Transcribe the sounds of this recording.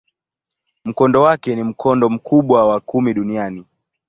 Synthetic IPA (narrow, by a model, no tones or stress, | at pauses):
m̩kɔndɔwakɛnim̩kʰɔndɔm̩kuɓwawakumiɗuniani